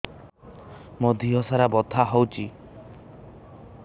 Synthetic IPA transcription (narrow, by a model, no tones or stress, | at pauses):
mod̪ʱiɦɔsaɾabɔt̪ʰaɦɔwt͡ʃʰi